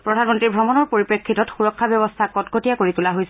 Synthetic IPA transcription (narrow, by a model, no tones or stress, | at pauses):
pɹɔdʱanmɔntɹiɹbʱɹɔmɔnɔɹpoɹipɹekʰːitɔtxuɹɔkʰːabjɔbɔstʰakɔtɡotijakoɹitulaɦojs